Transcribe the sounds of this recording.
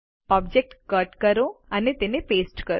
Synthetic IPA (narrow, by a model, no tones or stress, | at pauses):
ɔːbd͡ʒek̚ʈkəʈkəɾoənet̪enepeːsʈkəɾ